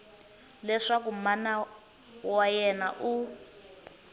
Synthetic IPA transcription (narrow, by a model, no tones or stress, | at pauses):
lɛʂak̬umana | wajɛnaʔu